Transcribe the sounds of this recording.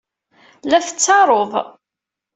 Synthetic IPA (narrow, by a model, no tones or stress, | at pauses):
læθə̥t͡sːɑɾˤoðˤ